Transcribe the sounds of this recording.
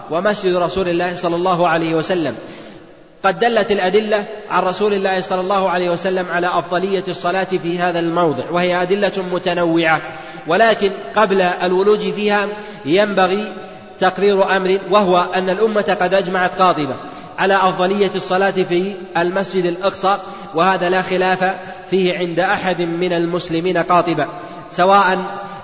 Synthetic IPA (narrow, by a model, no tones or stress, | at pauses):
wamasd͡ʒɪd̪ɾˤɑsuːlɪlːaːhsˤɑlːɑlˤːɑːɦʊʕalajhɪwasalːam | qɑd̪ːalːat̪ɪlʔad̪ɪlːaʕa̰nɾˤɑsuːlɪlːaːhsˤɑlːɑlˤːɑːhʊʕalajhwasalːamʕalaːʔɑfðˤɑlɪjːasˤːɑlaːt̪fiːɦaːðalmɑwðˤɨʕwahɪjaʔad̪ɪlːamʊt̪anawːɪʕa | walaːkɪnqɑblaʔalwʊluːd͡ʒfiːha | jambaɣi | t̪ɑqɾiːɾʔamɾɪwahʊwaʔanːalʔʊmːat̪qɑd̪ʔad͡ʒmaʕat̪qɑːt̪ˤɨba | ʕalaːʔɑfðˤɑlɪjːasˤːɑlɑːt̪fi | almasd͡ʒɪd̪alʔɑqsˤɑː | wɪhaːðalaːxɪlaːfa | fiːhɪʕɪnd̪aʔaħad̪mɪnalmʊslɪmiːnaqɑːt̪ˤɨba | sawaːʔan